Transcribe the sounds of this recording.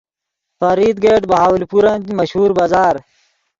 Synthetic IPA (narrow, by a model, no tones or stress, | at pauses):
faɾiːd̪̚ɡeːʈbɐɦaːwlipuɾɐnd̪mɐɕhuːɾbaːzaːɾ